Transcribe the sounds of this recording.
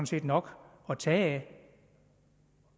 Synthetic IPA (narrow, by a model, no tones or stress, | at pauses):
nse̝̰ːd̥nɒ̽ɡ̥ | ɒt͡sʰɛː